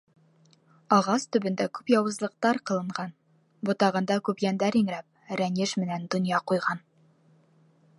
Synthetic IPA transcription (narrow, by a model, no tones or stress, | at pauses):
ɒʁɑst̪ɵ̆bɘ̆nd̪ækʉpjɒwɤ̆zlˠɤ̆q̚t̪ɑɾqɤ̆lˠɤ̆ɴʁɑn | bot̪ɑʁɤ̆nd̪ɑkʉpjænd̪æɾiŋɾæp̚ɾænɘʃmɘ̆nænd̪ŏnjɑqujʁɑn